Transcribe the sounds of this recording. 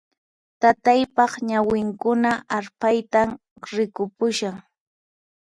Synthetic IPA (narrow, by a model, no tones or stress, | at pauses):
t̪at̪ajpɑχɲawɪŋkʊnaʔaɾpajt̪am | ɾɪkʊpʊʃaŋ